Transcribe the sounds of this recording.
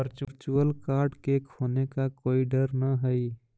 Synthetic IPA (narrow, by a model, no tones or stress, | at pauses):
əɾt͡ʃɾt͡ʃuəlkaːɾɖkekʰoːnekakoːiɖəɾnəɦəi